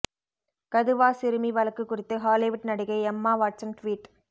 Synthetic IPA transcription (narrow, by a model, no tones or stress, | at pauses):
kɐðɯʋaːsɪɾɯmiʋɐlɐkːɯkːʊrɪt̪ːɯɦaːlɪʋʊʈnɐɽɪɣɐɪɛmːaːʋaːʈsɐnʈʋiːʈ